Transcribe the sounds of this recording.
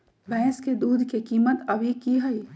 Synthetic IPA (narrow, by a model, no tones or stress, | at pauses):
bʱɛ̃ːsked̪uːd̪ʱkekiːmət̪ɐbʱikiɦəi